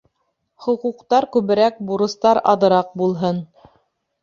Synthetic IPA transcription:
χŏquqt̪ɑɾkʉβɘ̆ɾæk̚buɾɤ̆st̪ɑɾɑ̰ðɤ̆ɾɑq̚bulˠɦɤn

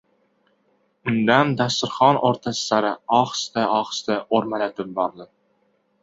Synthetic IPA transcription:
ʊnd̪and̪ast̪ɪɾχɒnʔoɾt̪ʰasɪ̥saɾɪɒχst̪aʔɒχst̪aʔoɾmalat̪ʰɪp̚bɒɾd̪ɪ

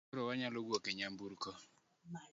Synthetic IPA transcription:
ɾɔwaɲalɔɡwokeɲambuɾkɔ

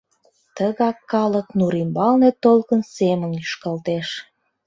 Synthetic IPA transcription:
t̪əɣɑkːɑləknuɾimbɑlnet̪olkənsemənyʃkɑlt̪eʃ

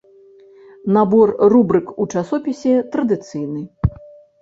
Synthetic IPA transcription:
nabɔrrubɾɨkut͡ʂasɔpʲisʲɛt̪ɾɐd̪ɨt̪sɨjnɨ

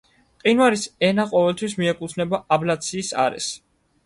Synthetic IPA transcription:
qʼinwaɾisɛnaqʼɔvɛlt̪ʰwis̬miɛkʼut̪sʰnɛbaablat̪sʰiːsa̰ɾɛ̰s

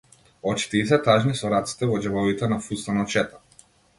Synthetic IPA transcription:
ɔt͡ʃi̥t̪iis̬ɛt̪aʒnisɔɾat̪si̥t̪ɛvɔd͡ʒɛvɔvit̪ɛnafust̪anɔt͡ʃɛt̪a

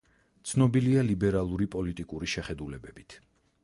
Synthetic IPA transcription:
t̪sʰnɔbilialibɛɾalˠuɾipʼɔlit̪ʼikʼuɾiʃɛχɛd̪ulɛbɛbit̪ʰ

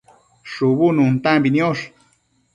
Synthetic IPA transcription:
ʂuβununt̪ambinioʂ

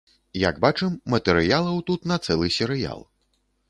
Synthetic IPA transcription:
ja̰ɡbat͡ʂɛmːɐt̪ɛɾɨjalˠɐwt̪ut̪nɐt̪sɛlˠɨsʲɛɾɨja̰lˠ

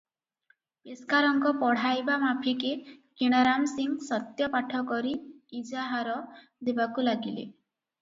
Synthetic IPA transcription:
peskaɾɔŋkɔpɔɽ̤ajbamapʰikekiɽ̃aɾamsiŋsɔt̪jɔpaʈʰɔkɔɾiid͡ʒaɦaɾɔ | d̪ebakulaɡilḛ

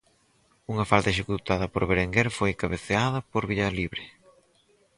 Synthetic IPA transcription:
uŋɐfalt̪ɐeʃ̬ekut̪aðɐpoɾβeɾeŋɡeɾfojkaβeθeað̞ɐpoɾβiʎɐliβɾe

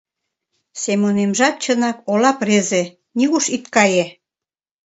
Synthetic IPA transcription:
semonemʒɑk̚t͡ɕənɑkolɑpreze | niɣuʃit̪kɑje

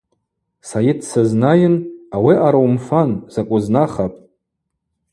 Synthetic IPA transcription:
sajɪdʰsaznajɪnawiʔaɾawmfanz̥akʷʼʊznaχapʼ

